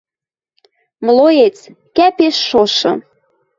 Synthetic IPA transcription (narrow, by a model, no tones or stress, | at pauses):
mlojet͡s | kæpeʃːoʃɤ̆